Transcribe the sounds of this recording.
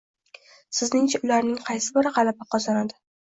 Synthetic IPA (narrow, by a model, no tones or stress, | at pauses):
sɪznɪŋt͡ʃʰaʊlaɾnɪŋqʰɑjsɪbɪɾaqɑlabɪqʰɒzanad̪ɪ